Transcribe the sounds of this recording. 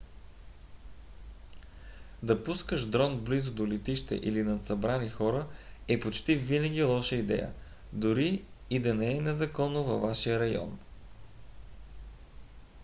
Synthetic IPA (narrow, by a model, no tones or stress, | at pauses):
d̪ɐpuskəʃd̪ɾɔnblizod̪olɛt̪iʃt̪ɛ̰ʔḭlinɐt̪sɐbɾanixɔɾəɛpot͡ʃt̪ivinɐɡʲilˠɔʃəid̪ɛ̰jə̰ | d̪oɾiː | d̪ɐnɛɛnɛzɐkɔnːovɐvːaʃijəɾɐjɔ̰n